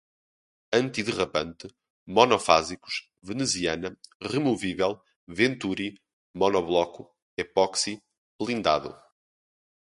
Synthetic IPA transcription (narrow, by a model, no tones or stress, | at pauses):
ɐ̃nt̪iðɨʁɐpɐ̃nt̪ɨ | mɔnɔfa̰ziku̥ʃ | vɨnɨziɐnɐʁɨmuvivɛlˠ | vẽnt̪uɾi | mɔnɔβlˠɔku | ɛpɔksi | blˠĩnd̪a̰ðṵ